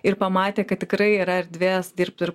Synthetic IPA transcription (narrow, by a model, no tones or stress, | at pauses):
ɪɾpɐmɑːt̪ʲeːkɐt̪̚t̪ʲɪkɾɐɪiɾɐɪɾd̪ʲʋʲeːsd̪ʲɪːɾp̚t̪ɪɾ